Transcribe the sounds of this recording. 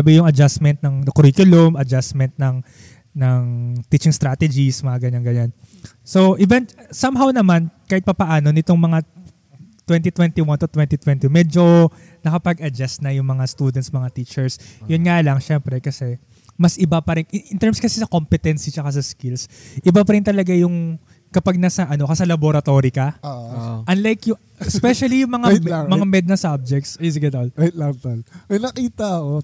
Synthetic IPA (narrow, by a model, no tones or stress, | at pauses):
abɪjʊŋɐd͡ʒasmɛnt̪̚nɐŋɐkʊɾikjʊlʊmɐd͡ʒasmɛnt̪̚nɐŋ | nɐŋt̪it͡ʃɪŋst̪ɾaːt̪ɛd͡ʒismɐŋaɡɐɲaŋɡɐɲan | so̞ʔɪvɛnt̪sɐmɦawnɐmankaːhɪt̪̚pɐpɐʔaːnonɪt̪o̞ŋmɐŋa | t̪wɛnt̪it̪wɛnt̪iwɐnt̪ʊt̪wɛnt̪it̪wɛnt̪imɛːd͡ʒo̞ | nɐkɐpɐɡʔɐd͡ʒast̪nɐjʊŋmɐŋast̪uːd̪ɛnt̪smɐŋat̪iːt͡ʃɛɹsjʊnŋalɐŋʃɛmpɾɛkɐsɛ | mɐsʔɪbapɐɾɪŋʔɪʔɪnt̪ɛɹmskɐsɛsɐkompɛt̪ɛnsit͡ʃɐkas̬ɐskɪlsʔɪbapɐɾɪnt̪ɐlɐɡajʊŋ | kɐpaɡ̚nasɐʔɐno̞kɐsɐlɐboɾɐt̪o̞ːɾikɐ | ʔɐnlajkjʊ | ɛspɛʃɐlijʊŋmɐŋamɐŋamɛd̪̚nɐsab̚d͡ʒɛk̚t̪sjs̬ɡɛt̪ollɐt̪ɐlmɐjnɐkiːt̪ɐɐko